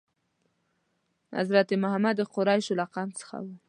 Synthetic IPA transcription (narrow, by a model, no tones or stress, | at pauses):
na̰zɾat̪emʊhamad̪ːəqʊɾɑjʃolaqɑnt͡sə̥xa̰wu